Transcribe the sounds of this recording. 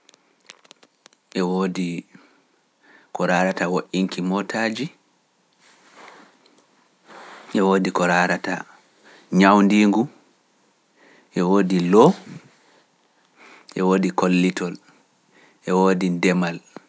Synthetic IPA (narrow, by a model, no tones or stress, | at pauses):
ʔɛwoːdi | kɔɾaːɾatawoʔiŋkimɔtʰaːd͡ʒi | ʔɛwoːdikɔɾaːɾata̰ | ɲawndiːŋɡu | ʔɛwoːdilɔ | ʔɛwoːdikolːitɔl | ʔɛwoːdindɛmal